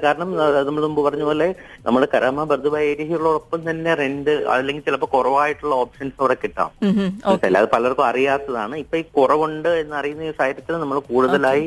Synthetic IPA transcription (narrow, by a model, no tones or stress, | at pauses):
kaːɾɐɳɐmɐðnɐmːɐɭnumbɨpɐrɐɲːupoːlːe | nʔɐ̰mːuɽekɐɾʔɐmabɐrd̪ʱɐbajeːɾiɦijuɭːoːɽopːɐmt̪ɐnːe̞renɖɨɐ̰lːe̞ŋɡilt͡ɕilɐpːokurɐʋaːjiʈːuɭːɐo̞ːpʂɐnsɐʋɽɐkːiʈːa̰ːmsɐlːa̰ːðɨpɐlɐɐrkːɨɐrijaːt̪ːɐða̰ːɳɨipːoikurɐʋuɳɖɨe̞nːɨɐrijunːɐiːsaːjɐɾɐt̪ːilnɐmːɐɭkuːɽuðɐlaːji